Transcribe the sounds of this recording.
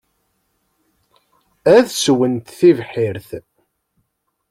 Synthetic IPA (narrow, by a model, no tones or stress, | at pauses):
æðswənt̪θivħiɾθ